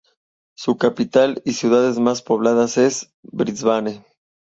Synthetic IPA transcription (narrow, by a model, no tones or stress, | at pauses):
sukapit̪alisjuðaðe̞zmaspo̞β̞laðase̞z | bɾizβane